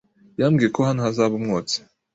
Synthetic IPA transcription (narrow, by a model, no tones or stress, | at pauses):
jamɡiːekohanohazaːβumŋoːt͡se̥